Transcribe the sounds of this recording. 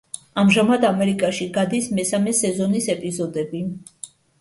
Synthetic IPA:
amʒamad̪amɛɾikʼaʃiɡad̪ismɛsamɛsɛzɔnisɛpʼizɔd̪ɛbi

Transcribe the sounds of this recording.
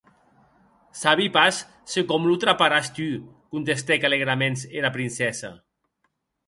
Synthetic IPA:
saβipasː | ekɔmlut̪ɾapaɾast̪ykunt̪est̪ekaleɣɾamenseɾapɾinsɛsa̰

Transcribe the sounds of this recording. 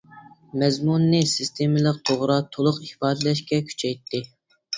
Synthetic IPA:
mɛzmunːɨsist̪ʰemɪləq̚t̪ʰoʁɾɑt̪ʰolˠʊqihpɑːd̪ɛlɛʃkʲɛkʲʰy̥t͡ʃʰɛjt̪ʰːɪ

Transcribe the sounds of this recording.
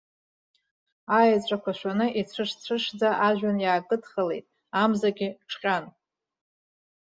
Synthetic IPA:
ajt͡ɕʷʼakʷʰaʃʷanɨʔit͡sʷʰɨʂt͡ɕʷʰɨʂd͡zaʔaʒᶣanjaːkʼɨdχəle̞jtʼ | amzaɡʲiʈ͡ʂʰqʲʼan

